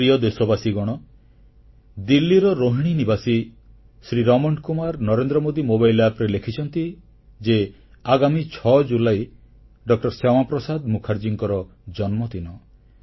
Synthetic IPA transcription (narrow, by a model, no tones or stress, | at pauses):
ɾiɔd̪esɔbasiɡɔɽ̃ɔ | d̪ilːiɾɔɾoɦiɽ̃inibasi | sɾiɾɔmɔɳkumaɾnɔɾend̪ɾɔmod̪imobajlapɾelekʰit͡ʃʰɔnt̪i | d͡ʒe | aɡamit͡ʃʰɔd͡ʒulaj | ɖɔk̚ʈɔɾsamapɾɔsad̪mukʰaɾd͡ʒiŋkɔɾɔd͡ʒɔnmɔt̪inɔ